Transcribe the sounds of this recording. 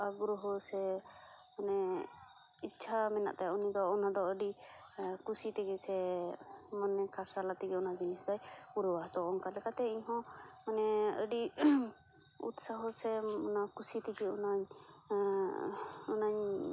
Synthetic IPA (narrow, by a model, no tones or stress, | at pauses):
aɡɾɔɦɔsɛ | manɛ | it͡ʃʰamɛna̰ʔt̪ajɔniɡaɔnad̪ɔəɖi | kusit̪ɛɡɛsɛ | mɔnɛkaɾsalat̪iɡiɔnad͡ʒinisd̪ajpuɾɔwaɦt̪ɔɔŋkalɛkat̪ɛiɲɦɔ̃manɛə̰ɖi | ṵt̪saɦɔsɛɔnakusit̪ɛɡiɔnaɲ | ɔnaɲ